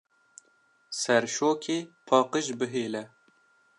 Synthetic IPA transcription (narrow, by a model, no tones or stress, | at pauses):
sɛɾʃoːkʲʰeːpʰɑːqəʒbɨɦeːlɛ